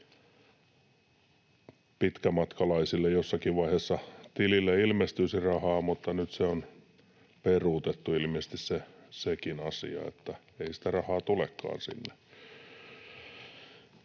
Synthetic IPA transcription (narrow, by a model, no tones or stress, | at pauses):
pit̪kæmɑt̪kɑlɑisilːejosːɑkiʋʋɑiheːsːɑt̪ililːeilmest̪ysirɑhɑːmut̪ːɑnyt̪seon | peruːt̪et̪ːuilmiest̪issesekinɑsḭɑ̰ḛt̪ːæ | eisi̥t̪ærɑhɑːt̪ulekːɑ̰ːnsḭnːe